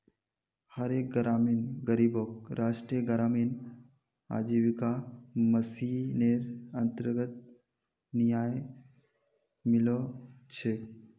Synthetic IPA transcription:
həɾek̚ɡəɾaːminɡəɾiːbok̚ɾaːʂʈɾijəɡəɾaːmin | a̰ːd͡ʒiʋikaməsineɾənt̪əɾɡət̪̚ | nijaːj | mɪlot͡ʃʰe

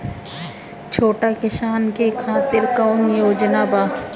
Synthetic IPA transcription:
t͡ʃʰoːʈakɪsaːnkekʰaːt̪ɪɾkɐʊnjoːd͡ʒnabaː

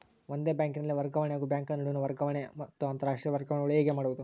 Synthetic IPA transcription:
ʋond̪e̞ːbjaːŋkinɐlːiʋɐɾɡɐʋɐɳjaːɡubjaːŋkɐɭnɐɽiʋnuʋɐɾɡɐʋɐɳemɐt̪ːuɐnt̪ɐɾaːʂʈɾiːɐʋɐɾɡɐʋɐɳɡɐɭueːɡemaːɽubod̪u

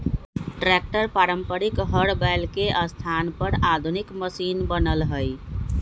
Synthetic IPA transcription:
ʈɾɛk̚ʈəɾpaɾəmpəɾikɦəɽbalkeʔəst̪ʰanpəɾad̪ʱunikməsinbənəlɦəj

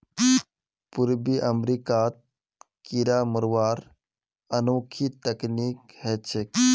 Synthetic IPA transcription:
puɾbiʔəmɾikat̪̚ | kiɾaməɾʋaɾ | ənowkʰit̪əkniːk̚hɛt͡ʃʰek

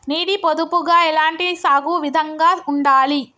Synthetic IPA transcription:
niːɽipod̪upuɡaːɛlaːɳʈisaːɡuːʋid̪ʱɐŋɡaːuɳɖaːli

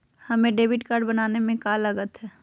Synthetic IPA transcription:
hɐmẽɖeːbɪʈkaɾɖbɐnaːnemẽkaləɡət̪ɦɛː

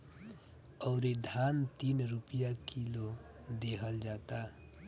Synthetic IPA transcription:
ɔʊɾed̪ʱant̪inɾupijakilo | d̪eɦəld͡ʒat̪a

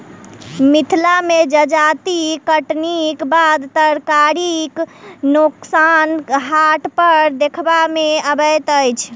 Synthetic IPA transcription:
mit̪ʰlamed͡ʒəd͡ʒat̪ikəʈnikbad̪t̪əɾkaɾiknuksanɦaʈpəɾd̪ekʰbameəbəjt̪əjt͡ʃʰ

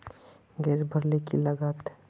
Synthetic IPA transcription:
ɡeɾbʱəɾlekiləɡat̪

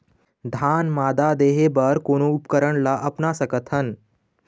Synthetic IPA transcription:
d̪ʱaːnmaːd̪ad̪eːɦebəɾkoːnoʊpkəɾəɽlaʔɐpnasɐkət̪ɦən

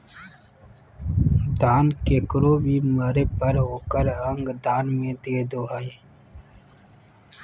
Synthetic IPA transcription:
d̪aːnkekɾoːbʱiːməɾepəɾɦoːkəɾə̃ŋɡd̪aːnmẽd̪eːd̪oːae

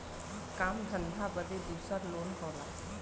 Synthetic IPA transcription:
kaːmd̪ʱə̃nd̪ʱabəd̪ed̪uːsəɾloːnɦoːlaː

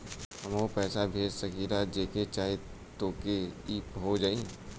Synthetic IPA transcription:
hɐmopɛːsabʱeːd͡ʒsəkiɾad͡ʒeːket͡ʃaːe | t̪oːkeiːpɦod͡ʒaːĩ

